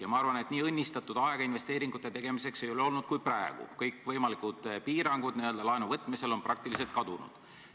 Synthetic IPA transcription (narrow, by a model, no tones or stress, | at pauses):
jɑmɑɑrvɑne̞t̪niːɤnʲːist̪ɑt̪ːˑud̪ɑeɡ̥ɑinve̞st̪e̞ːɾiŋɡ̥ut̪ːˑe̞t̪e̞ɡ̥e̞mise̞kse̞jo̞leo̞lnud̪̚kujpræeɡ̥ṵkɤjkːˑvɤjmɑlikˑud̪̥piːɾɑŋɡ̥ud̪̥niø̞ld̪ɑlɑenuvɤt̪ːˑmise̞lo̞nprɑk̚t̪ilis̬e̞lt̪̚kɑd̪̥unṵd̪̥